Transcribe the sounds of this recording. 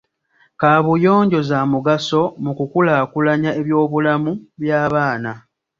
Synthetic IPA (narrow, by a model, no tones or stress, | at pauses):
kaːβujo̞ːɲɟo̞zaːmuɡaso̞mukukulaːkulaɲae̞βjo̞ːβulamuβjaːβaːna